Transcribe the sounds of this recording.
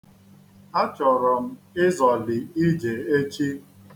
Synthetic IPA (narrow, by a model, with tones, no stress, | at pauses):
a˦t͡ʃɔ˨ɾɔ˨m̩˦ɪ˦zɔ˨lɪ˨i˦d͡ʒe˨e˦t͡ʃi˦